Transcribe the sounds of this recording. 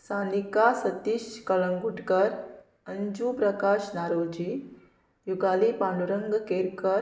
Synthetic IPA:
saːnikasɐt̪iʃkɐɭəŋɡʱuʈkəɾ | ɐnd͡ʒupɾɐkaːʃnaːɾoːd͡ʒi | juɡaːlipaːnuɾəŋɡkeːɾkəɾ

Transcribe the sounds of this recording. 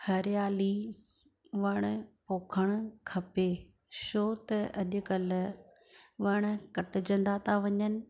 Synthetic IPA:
hɐɾɪjaːli | ʋɐɽ̃poːkʰəɽ̃ʊkʰɐpe | ʃoːt̪ɐɐʄ̪ʊkəl | ʋɐɽ̃̆kɐʈʊ̆d͡ʑɐ̃nd̪at̪ʰaʋɐɲənɪ̆

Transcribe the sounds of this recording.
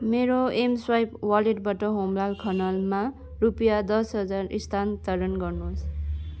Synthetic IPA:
meɾoemswajpwaleʈbʌʈʌɦomlalkʰʌnʌlma | rupijad̪ʌsɦʌd͡zarḭst̪ʰant̪ʌɾʌnɡʌrnuɦs

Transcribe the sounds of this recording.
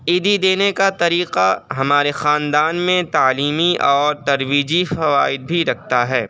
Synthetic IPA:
iːd̪id̪eːnekat̪ɐɾiːqaɦɐmaːɾexaːnd̪aːnmẽt̪aːliːmiʔɔːɾt̪ɐɾʋiːd͡ʒifɐʋaːɪd̪̚bʱiɾɐk̚ʰt̪aɦɛː

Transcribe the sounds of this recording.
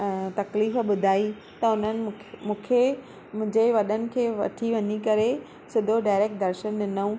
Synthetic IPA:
t̪ɐkliːfɓʊd̪ʱaːi | t̪ɐʊn̤ənɪ̆mũːkʰe | mʊ̃ɦɪ̃ɲd͡ʑeʋɐɗənɪ̆kʰeːʋɐ̰ʈʰiʋɐɲikɐɾe | sɪd̪ʱoɖaːɪɾeːk̚ʈ̚d̪ɐɾʃənɗɪnəũ

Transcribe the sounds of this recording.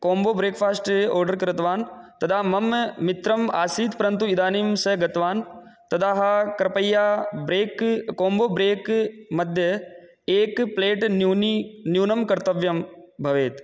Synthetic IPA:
koːmboːbɾeːkfʰaːsʈɔːɾɖɐɾkɐɾɪt̪ʋaːnt̪ɐd̪ʰaːmɐmmɪt̪ɾɐma̰ːsiːt̪pɐɾɐnt̪̬uɪd̪aːniːmsɐɡɐt̪ʋaːn | t̪ɐd̪ʰaːɦakɐɾɐpɐjːaːbɾeːkkoːmboːbɾeːkmɐd̪ʱjɐ | eːkpleːʈː | njuːnɐmkɐɾt̪ɐʋjɐmbʱɐʋeːt̪

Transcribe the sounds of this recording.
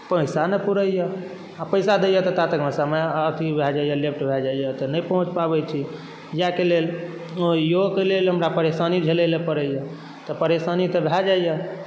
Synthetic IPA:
pəjsanepuɾəjə | apəɪsad̪ejət̪ɔt̪at̪əkmesəmeət̪ʰibʱɛd͡ʒaijəlep̚ʰʈbʱɛd͡ʒaijət̪ɔnəjpəɦũt͡ʃpabɛt͡ʃʰi | jakelel | ojokelelɦəmɾapəɾesanid͡ʒʱeləlepəɾəjə | t̪ɔpəɾesanit̪əbʱɛd͡ʒaijə

